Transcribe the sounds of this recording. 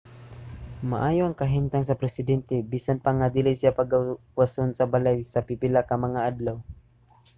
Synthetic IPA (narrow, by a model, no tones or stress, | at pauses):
ma̰ʔaːjoʔɐŋkɐɦimt̪aŋs̬ɐpɾɛsɪd̪ɛnt̪ɛbiːsanpaŋad̪ɪlisjapɐɡa | wasonsɐbalajsɐpipɪlakɐmɐŋaʔad̪law